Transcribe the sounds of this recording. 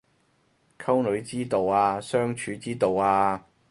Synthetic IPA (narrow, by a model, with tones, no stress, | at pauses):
kʰɐ˥wnɵ˨˧˥ɥt͡siː˥t̪o˨waː˧sœː˥ŋt͡ʃʰyː˨˥t͡siː˥t̪o˨waː˧